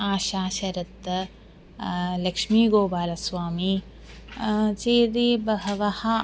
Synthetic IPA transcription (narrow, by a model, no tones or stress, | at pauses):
aːʃaːʃɐɾɐt̪ː | lɐkʂmiːɡoːbaːlɐswaːmiː | t͡ʃeːd̪eːbɐɦɐʋɐha